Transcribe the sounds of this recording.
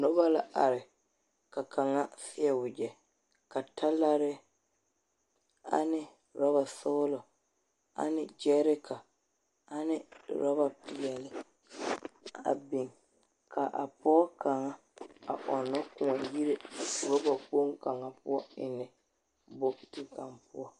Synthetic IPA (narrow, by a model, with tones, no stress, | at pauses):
nɔ˦ba˦la˨a˨ɾɪ˨ | ka˨ka˨ŋa˦fɪ˦ɛ˨wʊ˨d͡ʒɛ˨ | ka˨tʰa˦la˦ɾɪ˦ | a̰˨nɪ˦ | ɾɔ˦βa˨sʊː˦lɔ˨ | a̰˨nɪ˦d͡ʒɛ˦ɾɪ˦kʰa˨ | a˨nɪ˦ɾɔ˦ba˨pɪ˨ɛ˨lɪ˦ | a̰˨bɪ˨ŋ | ka˨ʔa̰˨pɔː˦ka˨ŋa˦ | a̰˨ʔɔ˨nːɔ˦kʊ˨a˨ji˦ɾe˦ɾɔ˦ba˨k͡po˦ŋka˨ŋa˦pʊ˦ɔ˦ɪ˨nːɪ˨ | bʊ˦tu˨ka˨mpʊ̰˦ɔ˦